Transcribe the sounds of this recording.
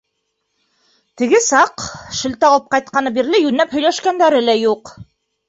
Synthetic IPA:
t̪ɘ̆ɡɘsɑqʃɘ̆lt̪æɑlˠɤp̚qɑjt̪̚qɑnɤbiɾlɘjʉnːæphɵ̆jlæʃkænd̪æɾɘlæjuq

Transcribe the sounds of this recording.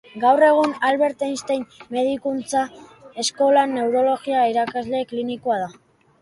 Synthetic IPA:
ɡawre̞ɣ̞unalβe̞ɾt̪ejnst̪ejnme̞ð̞ikunt͡sae̞sko̞lane̞wɾo̞lo̞ɣiaiɾakazle̞klinikoaða

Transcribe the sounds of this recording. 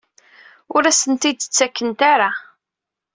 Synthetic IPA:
ʊɾæsənt̪id̪ə̥t͡sːækːənt̪aɾa

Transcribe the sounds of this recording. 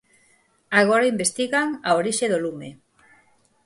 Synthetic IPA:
aɣ̞oɾaimbest̪iɣaŋaoɾiʃeðolume

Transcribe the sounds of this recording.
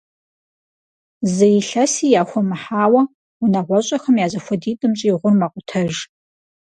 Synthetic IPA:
zɐjɪɬɐsiːjaːxʷɔmɨħaːwɐ | unɐʁʷɔɕʼɐxɐmjaːzɐxʷɔdiːdʼɨmɕʼijːʁʷʊrmaqʷʊtʰɐʒ

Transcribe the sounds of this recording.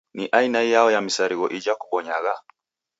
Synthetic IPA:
niʔainajaɔjamisaɾiɣɔʔid͡ʒakuɓɔɲaɣa

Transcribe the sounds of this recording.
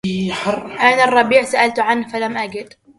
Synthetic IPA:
ħɑrˤʔanarˤːɑbiːʕsaʔalt̪ʕanhfalamʔaɡɪd̪̥

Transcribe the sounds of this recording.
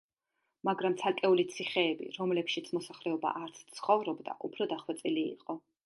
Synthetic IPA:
maɡɾamt̪sʰalkʼɛulit̪sʰiχɛːbḭɾɔmlɛpʃit̪sʰmɔsaχlɛɔba̰ʔaɾt̪sʰt̪sʰχɔvɾɔbd̪a̰ʔupʰɾɔd̪aχwɛt̪sʼilḭːqʼɔ

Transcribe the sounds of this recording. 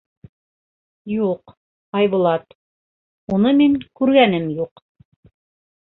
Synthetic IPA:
juq | ɑjβulˠɑt̪ | unɤmiŋkʉɾɡænɘmjuq

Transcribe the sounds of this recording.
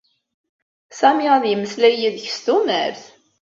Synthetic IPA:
sæmiʁæðjəməslæjiðç̥st̪umæ̰ɾθ

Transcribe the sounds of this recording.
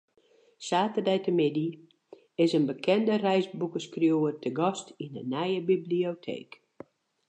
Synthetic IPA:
saːtədɛjtəmɪdi | ɪsənbəkʰɛndərɛjzbukəskrjoːərtʰəɡɔstinənɛjəbibliotʰḛːk

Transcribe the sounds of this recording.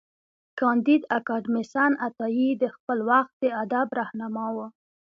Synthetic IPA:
kɑnd̪id̪akɑɖmisɑnat̪ɑjid̪əxpəlwaxt̪̚d̪əad̪abɾahnɑmɑwə

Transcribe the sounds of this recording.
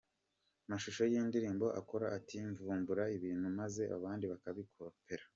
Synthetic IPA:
maʃuʃojiːndiɾiːmbo̞ʔa̰ko̞ɾaʔatiɱvuːmbuɾaiβiːn̥humaze̞ʔa̰βaːndiβakaβikʰo̞pe̞ɾḁ

